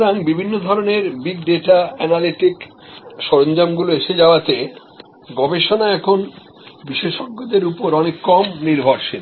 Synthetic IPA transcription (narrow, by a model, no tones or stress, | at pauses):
ɾaŋbibʱinːod̪ʱɔɾoneɾbiɡ̚ɖeʈaɛnaliʈik | ʃɔɾond͡ʑamɡuloeʃed͡ʑaoat̪e | ɡɔbeʃonaɛkʰon | biʃeʃɔɡːod̪eɾupoɾɔnekːɔmniɾbʱoɾʃʰin